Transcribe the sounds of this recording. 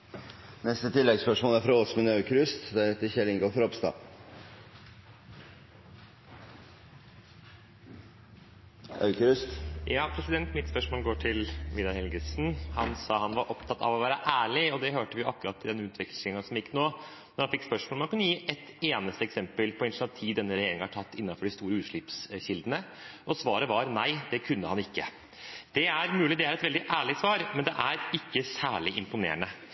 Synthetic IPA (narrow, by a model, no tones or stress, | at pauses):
nɛst̪ət̪ʰɪlːɛɡspœʂmoːlæɾfɾɑoːsmənɑʉkəɾʉst̪d̪æɛt̪əçɛlɪŋɡoːɾfɔɾɔpst̪ɑ̰ː | ɑ̰ʉkəɾʉst̪jɑːpʰɾɛsɪd̪ɛnt̪mɪt̪spœʂmoːlɡoːʈʰɪlʋid̪ɑhɛlɡəsn̩hɑnsɑːhɑnʋɑɾʔɔpt̪ʰɑt̪ːɑ̰ʋɔʋæːɾəʔæːɭɪɔd̪ɛɦøːʈəʋɪjʊɑkːʉɾɑt̪ːɪd̪ɛnːʉːt̪ʰʋɪklɪŋɑsɔmjɪkːnoː | nɔɾhɑnfɪkspœʂmoːlmhɑnkʉnːəjiːʔɛt̪eːnəst̪əɛksɛmpəlpʰɔɪnnɑt̪ʰiːd̪ɛnːəɾɛjeːɾɪŋɑʈʰɑt̪ːɪnːɑnfɔɖɪst̪uːɾəʉːʂɭɪpsɕɪld̪ənəʔɔsʋɑːɾəʋɑɾnæɪd̪ɛkʰʉnːəhɑnɪkːə | d̪̥ɛæɾmʉːlɪd̪ɛæɾɛt̪ʋɛld̪ɪʔæːɭɪsʋɑːɾmɛnd̪ɛʔæɾɪkːəsæːɭɪʔɪmpʊnḛːənə